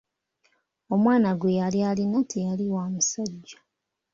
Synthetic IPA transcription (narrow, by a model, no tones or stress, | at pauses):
o̞mwaːnaɡwejalialinatʰijaliwaːmusaɟːḁ